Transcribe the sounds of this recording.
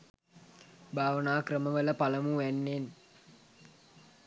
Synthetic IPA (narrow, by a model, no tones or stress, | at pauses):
bʱaːʋənaːkrəməʋələpaləmuʋænːen